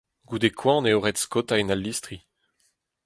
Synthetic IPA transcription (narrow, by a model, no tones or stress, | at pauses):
ɡud̪ekʰwɑ̃neoʁɛtskot̪ainalːist̪ʁi